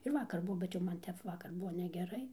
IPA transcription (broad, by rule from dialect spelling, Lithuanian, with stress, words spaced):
ɪr ˈʋɑːkɐr ˈbuɔ bʲɛt jɛʊ ˈmɐn ˈtʲɛp ˈʋɑːkɐr ˈbuɔ nʲɛɡʲɛˈrɐɪ